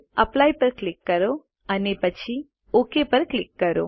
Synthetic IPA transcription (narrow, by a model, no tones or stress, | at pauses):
əplajpəɾklɪkːəɾo | ənepət͡ʃʰi | okepəɾklɪkːəɾo̰